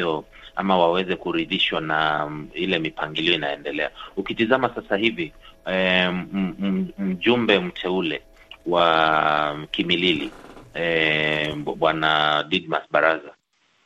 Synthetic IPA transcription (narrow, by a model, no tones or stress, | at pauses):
ɔ | a̰mawawɛzɛkuɾiðiʃwanailɛmipaŋɡiliɔinaɛndɛlɛaukitizamasasahivi | m̩ʄumbɛm̩tʰɛulɛ | wa | kimililḭ | ɓwanadid̚masɓaɾaza